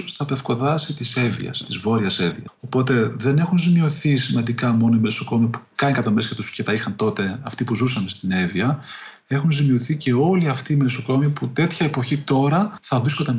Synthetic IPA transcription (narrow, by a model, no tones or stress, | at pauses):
st̪ɐpe̞fko̞ðɐsit̪ise̞vḭɐ̰st̪izvo̞ɾiɐse̞vḭɐ̰o̞po̞t̪e̞ðe̞ne̞xunzimiuθisimɐnd̪ikɐmo̞noimelsoko̞miɐpu̥kɐnikɐt̪ɐmescɐt̪usce̞t̪ɐixɐnt̪o̞t̪e̞ɐft̪ipuzusɐme̞st̪ine̞viɐ | e̞xunzimiuθice̞o̞liɐft̪iːmelsoko̞miɐput̪e̞t̪çɐepo̞çit̪o̞ɾɐθɐvɾiskot̪d̪ɐn